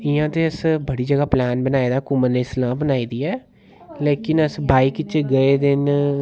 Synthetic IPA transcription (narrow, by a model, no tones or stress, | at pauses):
ɪjãːt̪eːəsbəɽiːd͡ʒəɡaːplaːnbənaːeːd̪aːkʊməneslãːbənaːiːd̪iːɛː | leːkɪnəsbʱaːiːkɪt͡ʃeːɡəeːd̪ɪn